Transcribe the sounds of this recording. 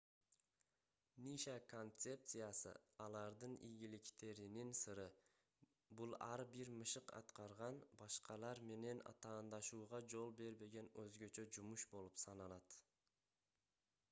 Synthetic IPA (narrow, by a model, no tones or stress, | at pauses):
niʃako̞nt̪se̞p̚t̪sɨjasɯ̰ɑlˠɑɾd̪ɯnḭjɡʲilikt̪e̞ɾininsɯɾɯ | bulˠɑɾbiɾmɯʃɯqɑ̰t̪qɑɾʁɑnbɑʃqɑlˠɑɾme̞ne̞nɑ̰t̪ɑːnd̪ɑʃuːʁɑd͡ʒo̞lˠbe̞ɾbe̞ɡe̞nøzɡø̞t͡ʃø̞d͡ʒumuʃbo̞lˠupsɑnɑlˠɑt̪